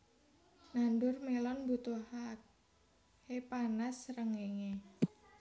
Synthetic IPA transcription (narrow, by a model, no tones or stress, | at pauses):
nandʊrmelɔnbut̪ohak̚ | hepanasɾəŋeŋe